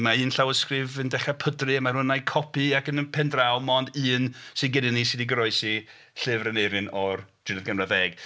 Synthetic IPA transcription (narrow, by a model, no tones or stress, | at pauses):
maɨːnɬawəskrɨvəndɛχapʰədrɨmaɾhʊnajkʰɔpʰiakənəpʰɛndrawmɔːndɨːnsɨdɡɪdɪnisɪdiɡɾɔɨsi | ɬɨvrənejɾɨnɔrd̥rɪnəðɡəmraðɛːɡ̥